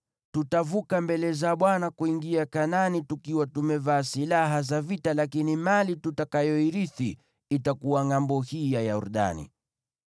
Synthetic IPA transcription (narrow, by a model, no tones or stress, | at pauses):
tutavukambɛlɛzaɓwanakuiŋɡiakananitukiwatumɛvaːsilaɦazavitalakinimalitutakajɔiɾiθi | itakuwaŋambɔhijajaṵɾɗa̰nḭ